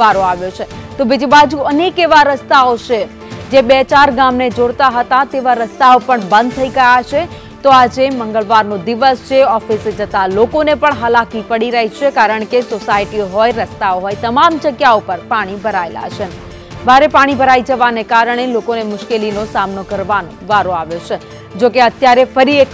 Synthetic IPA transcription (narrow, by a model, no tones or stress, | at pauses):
ʋaɾoaʋjot͡ʃʰet̪obid͡ʒibad͡ʒuənekeʋaɾəst̪aot͡ʃʰe | d͡ʒebet͡ʃaɾɡamned͡ʒoɽt̪aɦət̪at̪eʋaɾəst̪aopəɳbə̃nd̪̚t̪ʰəiɡəjat͡ʃʰe | t̪oad͡ʒeməŋɡəɭʋaɾnod̪iʋəst͡ʃʰeɔfised͡ʒət̪alokonepəɳɦəlakipəɽiɾəɦit͡ʃʰekaɾəɳkesosaiʈioɦojɾəst̪aoɦojt̪əmamd͡ʒəɡjaopəɾpaɽ̃ibʱəɾaela̰t͡ʃʰen | bʱaɾepaɽ̃ibʱəɾaid͡ʒəʋanekaɾəɳ̃elokonemʊʃkelinosamnokəɾʋanoʋaɾõaʋet͡ʃʰe | d͡ʒokeət̪jaɾefəɾiek